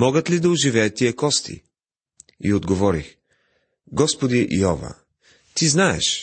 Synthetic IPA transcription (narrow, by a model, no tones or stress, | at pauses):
mɔɡət̪lid̪ɐʊʒivɛjət̪ːiɛkɔst̪ʰḭ | ḭod̪ɡovɔɾḭx | ɡɔspod̪iʔḭɔvɐ̰ | t̪iznaɛ̰ʃ